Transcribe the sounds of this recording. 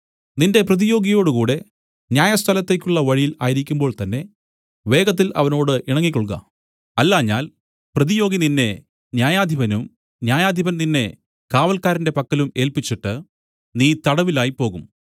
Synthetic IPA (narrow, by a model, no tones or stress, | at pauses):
ninde̞prɐðijo̞ːɡijo̞ːɽɨkuːɽe̞ | njaːjɐst̪ʰɐlɐt̪ːe̞kʲːuɭːɐʋɐɻijilaːjiɾikʲːumbo̞ːɭt̪ɐnːe̞ | ʋe̞ːɡɐt̪̬ːilʔɐ̰ʋɐno̞ːɽɨʔiɳɐŋːikʲːoɭɡɐ̰ | ɐlːaːɲːaːl | prɐðijo̞ːɡininːe̞ | njaːjaːd̪ʱibɐnum | njaːjaːd̪ʱibɐnninːe̞ | kaːʋɐlkaːɾinde̞pɐkːɐlume̞ːlpit͡ɕːiʈːɨ | niːt̪ɐɽɐʋilaːjipo̞ːɣum